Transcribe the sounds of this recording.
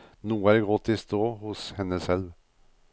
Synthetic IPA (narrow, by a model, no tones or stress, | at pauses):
nuːəæɖɡʁɔt̪ʰːɪst̪oːhʊshɛnːəsɛlʋ